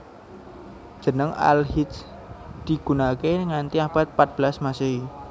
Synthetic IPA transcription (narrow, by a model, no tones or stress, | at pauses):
ʒ̥ə̤nəŋa̰lhit̪s | d̪̥iɡ̥unakeŋant̪iapat̪̚pat̪̚b̥əlasmaseɦi